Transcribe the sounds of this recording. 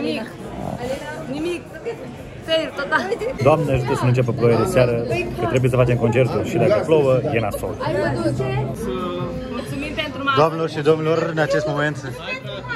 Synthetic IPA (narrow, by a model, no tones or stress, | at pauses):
i | nimik̚ | feɾt̪ot̪ad̪oamnaʒut̪əsənuɨnt͡ʃep̬eplojed̪eseaɾəkət̪ɾe̞bujesəfat͡ʃemko̞nt͡ʃe̞ɾt̪ulʃid̪ajpeflowəjenast̪o̰l | mult͡sumipent̪ɾud̪oamnelorʃid̪omneloɾɨnat͡ʃest̪moment̪